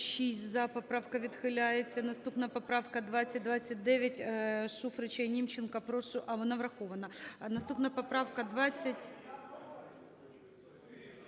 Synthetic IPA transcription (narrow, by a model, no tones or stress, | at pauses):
ɕisʲzɐpɐpɾafkɐʋʲɪt̪xɪlʲæjɪt͡sʲːɐnɐst̪upnɐpɐpɾafkɐd̪ʋat͡sʲːɐt̚ʲd̪vat͡sʲːɐt̚ʲd̪ɛʋʲɐtʲʂufɾɨt͡ɕɐnʲimt͡ɕːɪnkɐpɾoʂʊʔɐvɔnavɾɐxovɐnɐnɐst̪upnɐpɐpɾafkɐd̪ʋat͡sʲːɐtʲ